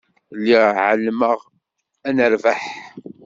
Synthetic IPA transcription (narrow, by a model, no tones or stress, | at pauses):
lːiʕəlːməʁ | ænəɾvaħ